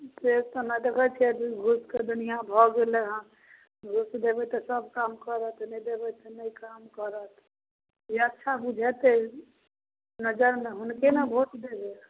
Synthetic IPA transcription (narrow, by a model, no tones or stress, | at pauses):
t̪est̪ɔnad̪eɡət͡ʃʰɛɡʱusked̪unijãbʱɔɡeleɦə̃ | ɡʱusd̪ebɛt̪ɔsəbʱkamkəɾət̪ʰnəid̪ebɛt̪ɔnəikamkəɾət̪ʰ | jiətːʃʰabud͡ʒʱɛt̪e | nəd͡ʒəɾmeɦʊnkenabʱosd̪ebe